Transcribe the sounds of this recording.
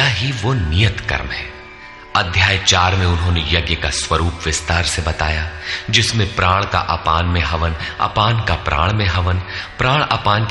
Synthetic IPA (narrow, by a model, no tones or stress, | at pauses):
aɦiʋonijət̪kɐ̰ɾmɦɛː | ɐd̪ʱjaːjt͡ʃaːɾmẽʊnɦõːnejɐɡjəkaswɐɾuːpʋɪst̪aːɾsebɐt̪a̰ːjad͡ʒɪsmẽpɾaːɽ̃ka̰ʔɐpaːnmẽɦɐʋənɐ̰paːnkapɾʔa̰ːɽ̃mẽɦɐʋənpɾaːɽ̃ɐ̰paːnk